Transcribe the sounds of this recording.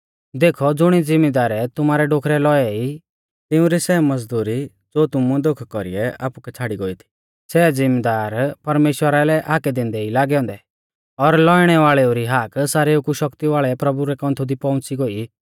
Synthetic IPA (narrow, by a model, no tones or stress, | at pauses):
d̪eːkʰɔd͡zʊɽ̃id͡zɪmed̪aːɾɛt̪ʊmaːɾɛɖoːkʰɾɛlɔɛi | t̪ɪũɾisɛmɐd͡zd̪uːɾi | d͡zoːt̪ʊmud̪okʰkɔɾḭɛa̰ːpukɛt͡sʰaːɽiɡoːit̪ʰi̥ | sɛːd͡zɪmed̪aːɾpɐɾmeːʃwəɾalɛʔaːkɛd̪ẽːnd̪ɛilaːɡɛɔ̃ːnd̪ɛ | ɔɾlɔiɽ̃ɛʋaːɭɛuɾiɦaːksaːɾeukuʃɔkt̪iʋaːɭɛpɾɐbuɾɛkɔ̃nt̪ʰud̪ipɔ̃ʊ̃t͡siɡoi